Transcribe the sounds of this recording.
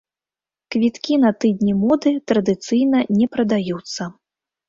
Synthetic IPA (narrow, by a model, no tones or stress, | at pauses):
kvʲit̪kʲinɐt̪ɨd̪ʲnʲimɔd̪ɨt̪ɾɐd̪ɨt̪sɨjnɐnʲɛpɾɐd̪ajut̪sːɐ